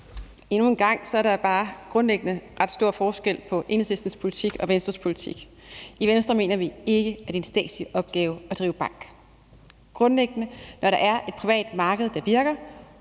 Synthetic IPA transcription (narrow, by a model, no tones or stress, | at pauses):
e̝nue̝nɡ̥ɑ̈ŋ̰sɒ̽æɐɾɑb̥ɑ̈ːɡ̥ʁɔ̽nleɡ̥ənəʁɑ̈d̥sd̥o̝ɐ̰fɒːsɡ̥el̰pʰɒ̽ʔe̝n̩sesd̥n̩spʰo̝lit͡sʰiɡ̥ɒ̽ʋensd̥ʁɐspʰo̝lit͡sʰḭɡ̥ | iʋensd̥ʁɐme̝̰ːnɐʋie̝ɡ̥əæd̥e̝ensd̥ɛ̰ːd̥sliʔɒ̽b̥ɡ̥ɛːʊɒd̥ʁḭːʊb̥ɑ̈ŋ̰ɡ̥ | ɡ̥ʁɔ̽nleɡ̥ənənɒɾɑ̈ʔæɐe̝d̥̚pʰʁiʋɛ̰ːd̥mɑ̈ːɡ̥əð̩ˠd̥ɑ̈ʋiɐɡ̥ɐ